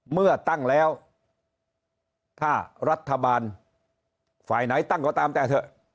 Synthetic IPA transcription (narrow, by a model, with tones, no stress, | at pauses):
mɯ˥˩ɐt̪a˥˩ŋlɛː˦˥w | t̪ʰaː˥˩ɾa˦˥t̪ʰːa˧baː˧n | fa̰ː˨˩jna˩˦jt̪a˥˩ŋkɔː˧˩t̪aː˧mt̪ɛː˨˩t̪ʰɤ˧˩